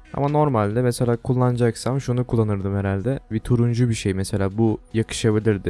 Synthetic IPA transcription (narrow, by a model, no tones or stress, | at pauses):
a̰mano̞ɾmalʲd̪ɛmeselʲaːkʰulˠːand͡ʒaksamʃunukʰulˠːanɯɾd̪ɯmheɾalʲd̪ɛbɛt̪ʰuɾund͡ʒubiʃejmese̞lʲaːbujakʰɯ̥ʃabilʲiɾd̪ɪ